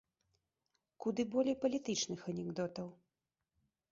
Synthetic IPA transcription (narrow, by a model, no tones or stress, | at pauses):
kud̪ɨbɔlʲejpɐlʲit̪ɨt͡ʂnɨxɐnʲɛɡd̪ɔt̪ɐw